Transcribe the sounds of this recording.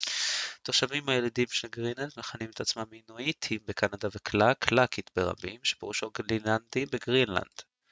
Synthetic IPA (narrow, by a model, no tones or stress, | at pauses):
t̪oʁʃavimhajelad̪imʃelɡʁinatmeχanimet̪at͡smaminoit̪ʰhimbekanadavekʰlakʰlakit̪beʁa̰bimʃepeʁuʃoɡlilandibeɡʁinla̰nd̪̥